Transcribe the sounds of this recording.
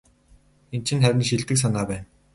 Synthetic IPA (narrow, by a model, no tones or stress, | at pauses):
ent͡ɕʰɘ̆nχæɾʲɪ̆nʃiɮt̪ɘ̆ks̬anaːpæːn